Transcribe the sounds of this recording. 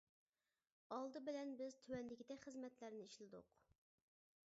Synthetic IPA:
ɑlˠd̪ɨbɪlɛnbɪzt̪ʰywɛnd̪ɪkʲid̪ɛkʲχəzmɛt̪læɾnɪiʃlɪd̪ʊ̰q

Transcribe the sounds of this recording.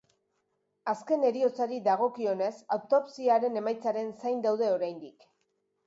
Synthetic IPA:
aske̞ne̞ɾio̞t͡saɾid̪aɣ̞o̞kio̞ne̞sawt̪opsiaɾe̞ne̞majt͡saɾe̞nsajnd̪awðe̞o̞ɾajnd̪ik

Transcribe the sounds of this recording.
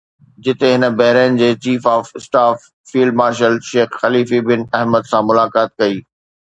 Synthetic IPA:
d͡ʑɪt̪eɦɪnə̆bɐɦɪɾaːnɪ̆d͡ʑeːt͡ɕiːfaːfɪsʈaːfː | iːlɖ̚maːɾʃəlʃeːxxɐliːfibɪnɛɦməd̪sãmʊlaːkaːt̪̚kɐiː

